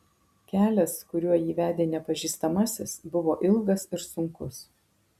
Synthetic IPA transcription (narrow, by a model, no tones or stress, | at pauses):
kʲæːlʲɛskʊɾʲuɔjiːʋʲæːd̪ʲeːnʲɛpɐʒʲiːst̪ɐmɐsʲɪsbʊʋoːʔɪlˠˑɡɐsɪɾsʊŋkʊs